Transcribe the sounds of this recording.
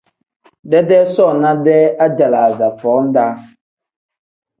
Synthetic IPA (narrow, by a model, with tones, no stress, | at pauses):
dɛ˦dɛ˦sɔ˦˨na˦dɛ˦a˦d͡ʒa˨la˨za˨fɔː˨˦n̩˦da˦